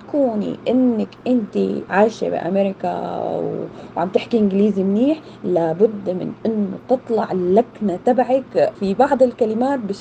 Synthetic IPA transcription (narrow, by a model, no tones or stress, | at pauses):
kuːnḭʔɪnːakʔɪnt̪ḭʕaːʃḛbɪ̰ʔa̰meɾɪka̰wʕa̰mt̪ɪħkiʔɪnɡɪliːzimniːħ | labʊd̪ːmɪ̰nʔɪnːʊ̰t̪ɨt̪ˤlɑʕlaknat̪abʕakfibɑʕd̪ˤɪlkalɪmaːt̪̚bɪʃ